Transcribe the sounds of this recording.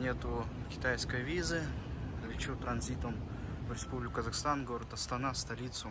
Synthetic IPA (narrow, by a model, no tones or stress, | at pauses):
nʲet̪ʊkʲɪ̥t̪ajskəjvʲizɨlʲɪt͡ɕut̪ɾɐnzʲit̪əm | vɾʲɪspublʲɪkʲʊkəzaxst̪anɡoɾʲət̪ɐst̪ɐnast̪ɐlʲit̪sʊ